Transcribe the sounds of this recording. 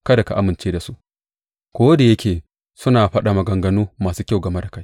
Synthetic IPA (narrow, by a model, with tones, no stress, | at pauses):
kɐ˦da˨ka˨ʔa˦mɪ˨nt͡ʃeː˦da˨su˦ʔ | kʷoː˦da˨jɐ˦kʲeː˨ | sʊ˦naː˨ɸɐ˦ɗa˨mɐ˨ɡɐ˨ŋɡɐ˦nuː˦maː˨suː˦kʲa˦˨wɡɐ˨me˦da˨ka˦j